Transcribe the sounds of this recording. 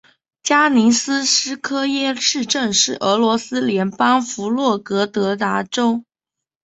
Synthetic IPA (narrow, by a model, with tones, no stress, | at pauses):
t͡ɕja˥ni˧˥sɹ̩˥ʂ̩˥kʰɤ˥jɛ˥ʂɻ̩˥˧ʈ͡ʂə˥˧ŋʂɻ̩˥˩ʔə˧˥lwɔ˧˥sɹ̩˥ljɛ˧˥npɑ˥ŋfu˧˥lwɔ˥˩kɤ˧˥t̪ɤ˧˥t̪a˧˥ʈ͡ʂo˥ʊ